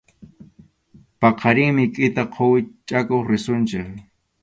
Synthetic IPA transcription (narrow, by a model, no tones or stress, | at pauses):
pɑqʰɑɾɪŋmɪkʼɪt̪aqʰowɪt͡ʃʼakoχɾɪsʊnt͡ʃɪk